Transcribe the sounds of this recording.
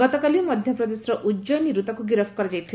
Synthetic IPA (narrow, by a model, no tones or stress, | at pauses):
ɔt̪ɔkalimɔd̪ʱjɔpɾɔd̪esɾɔʔud͡ʒɔniɾut̪ɔkuɡiɾɔbʰkɔɾad͡ʒajt̪ʰi